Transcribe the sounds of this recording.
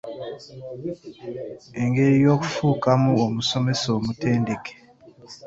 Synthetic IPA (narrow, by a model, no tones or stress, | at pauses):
eŋɡeɾijoku̥fukamuomusomesomuteːndeke̥